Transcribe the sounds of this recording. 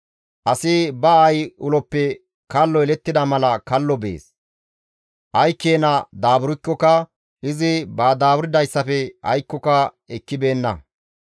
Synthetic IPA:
ʔɐsɪbɐɐjʊlɔpːɛ | kɐlːɔɛlɛt̪ːɪd̪ɐmɐlɐkɐlːɔbḛːs | ʔɐjkːe̞ːnɐd̪aːbʊɾɪkːɔkɐ | ɪzɪbaːd̪aːbʊɾɪd̪ɐjsːɐfɛɐ̰jkːɔkɐ | ɛkːɪbe̞ːnːɐ

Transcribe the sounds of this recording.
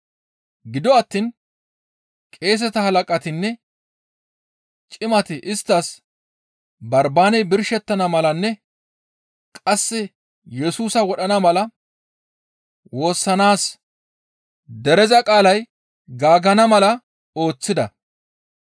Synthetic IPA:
ɡɪd̪ɔɐt̪ːiːn | kʼe̞ːs̬ɛt̪ɐhɐlɐkʼɐt̪ɪnːɛ | t͡ʃʼɪmɐt̪ɪʔɪst̪ːɐs | bɐɾbaːnɛjbɪɾʃɛt̪ːɐnɐmɐlɐnːɛ | kʼɐsːɪ | jɛsuːsɐwɔɗɐnɐmɐlɐ | wo̞ːsːɐnaːs | d̪ɛɾɛzɐkʼaːlɐj | ɡaːɡɐnɐmɐlɐ | o̞ːt͡sːɪd̪ɐ

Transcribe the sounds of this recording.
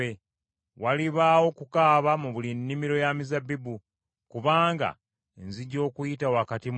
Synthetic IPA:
e | waliβaːwo̞kukaːβamuβulinːimiɾo̞jamizabibu | kuβaːŋɡa̰ | enziɟo̞ːkujitawakatim

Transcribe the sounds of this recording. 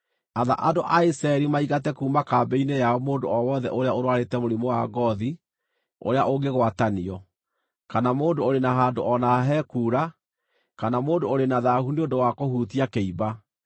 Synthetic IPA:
aða̰ʔadoʔaisɾaɛɾimaiɣatɛkuːmakabɛinejaɔmoːndoɔwɔðɛʔoɾeaoɾwaɾetɛmoɾimowa̰ɡɔði | o̰ɾeaʔoɡeɣwataniɔ | kanamoːdoːɾenaɦaːndoʔɔnaɦɛkuːɾa | kanamoːndoːɾenaðahuneondowakohuːtiakeiba

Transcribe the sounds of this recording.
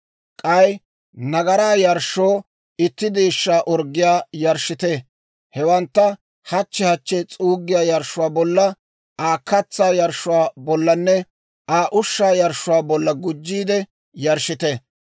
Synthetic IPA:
kʼɐj | nɐɡɐɾaːjɐɾʃːoː | ɪt̪ːɪd̪eːʃːaːʔɔɾɡːɪjaːjɐɾʃɪt̪eː | hɛwɐnt̪ːɐ | hɐt͡ʃːɛhɐt͡ʃːɛt͡sʼuːɡːɪjaːjɐɾʃʊwaːbɔlːɐ | ʔaːkːɐt͡sːaːjɐɾʃʊwaːbɔlːɐnːɛ | ʔaːʔʊʃːaːjɐɾʃʊwaːbɔlːɐɡʊd͡ʒːiːd̪ɛ | jɐɾʃɪt̪e

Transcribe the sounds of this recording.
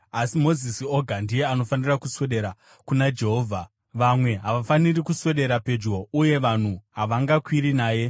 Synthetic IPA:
asimo̞zisio̞ɡʱandije̞ano̞fanirakuswe̞ɗe̞ɾa | kunad͡ʒe̞ɦoːvʱa | ʋamwe̞ɦaʋafanirikuswe̞ɗe̞ɾape̞d͡ʒo̞uje̞ʋan̤uɦaʋaŋɡakwiɾinaːje̞

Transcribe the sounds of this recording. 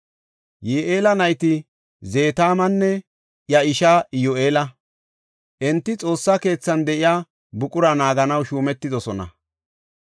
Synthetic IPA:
jeːʔeːlɐnɐjt̪ɪ | ze̞ːt̪aːmɐnːɛ | jɐɪʃaːɪjoʔeːlɐ | ʔɛnt̪ːɪt͡sʼo̞ːsːake̞ːt͡sːɐnd̪ɛʔɪjaː | bʊkʼʊɾɐnaːɡɐnɐwʃuːmɛt̪ːɪd̪ɔsɔnɐ̰

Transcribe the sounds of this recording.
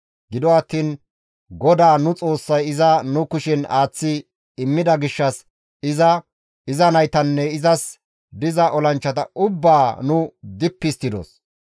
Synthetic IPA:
ɡɪd̪ɔɐt̪ːiːn | ɡɔd̪aːnʊt͡sʼo̞ːsːɐjɪzɐnʊkʊʃɪnaːt͡sːɪ | ɪmːɪd̪ɐɡɪʃːɐs | ɪzɐ | ɪzɐnɐjt̪ɐnːɛɪzɐs | d̪ɪzɐʔɔlɐnt͡ʃːɐt̪ɐ̰ʔʊbːaːnʊd̪ɪpːɪst̪ːɪd̪ɔ̰s

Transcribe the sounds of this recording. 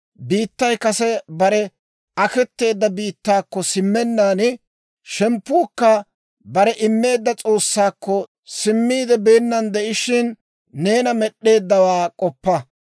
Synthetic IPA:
biːt̪ːɐjkɐsɛbɐɾɛ | ɐkɛt̪ːe̞ːd̪ːɐbiːt̪ːaːkːɔsɪmːɛnːaːnɪ | ʃɛmpːuːkːɐ | bɐɾɛʔɪmːe̞ːd̪ːɐt͡sʼo̞ːsːaːkːɔ | sɪmːiːd̪ɛbe̞ːnːɐnd̪ɛʔɪʃɪnː | e̞ːnɐmɛɗːe̞ːd̪ːɐwaːkʼɔpːɐ

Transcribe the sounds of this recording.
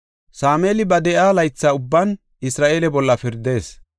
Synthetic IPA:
saːmeːlɪbɐd̪ɛʔaːlɐjt͡sːaːʊbːɐn | ɪsɾaːʔe̞ːlɛbɔlːɐfɪɾd̪e̞ːs

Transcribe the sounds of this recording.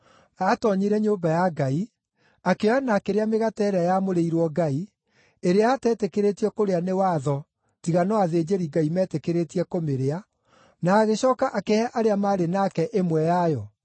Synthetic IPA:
atɔɲiɾɛɲoːbajaɡai | akeɔanakeɾeameɣatɛɾeajamoɾeiɾwɔɡai | eɾeatɛːtekeɾetiɛkoɾeanewaðɔ | tiɣanɔaðeːd͡ʑeɾiɡaimɛːtekeɾetiɛkomeɾea | naːɣeɕɔːkaʔakeɛʔaɾeamaːɾenakɛʔemwɛjajɔ

